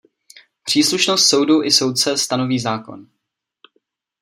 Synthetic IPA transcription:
pr̝̥iːsluʃnost̪so̞wduʔɪso̞wt̪̚t͡sɛst̪ano̞viːzaːko̞̰n

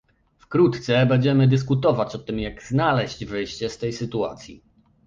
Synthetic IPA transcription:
fkɾut̪t̪sɛbɛɲd͡ʑɛmɘd̪ɘs̬kut̪ɔvat͡ɕɔt̪ɘmjaɡznalɛɕd͡ʑvɘjɕt͡ɕɛst̪ɛjsɘt̪ua̰t̪sʲjḭ

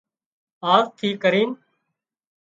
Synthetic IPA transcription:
aːst̪ʰiːkəɾiːn

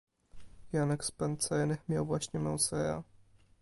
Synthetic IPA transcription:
janɛkspɛnt̪sɛɾnɘxmʲjawvwaɕɲɛmɛ̰wsɛɾa̰

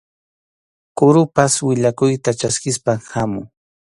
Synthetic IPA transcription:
kʊɾʊpaswɪʎakʊjt̪at͡ʃaskɪspaŋhamʊŋ

